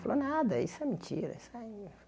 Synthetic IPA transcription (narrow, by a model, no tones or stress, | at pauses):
fɐlonad̪ɐisɛmĩnt͡ʃiɾɐ̰isai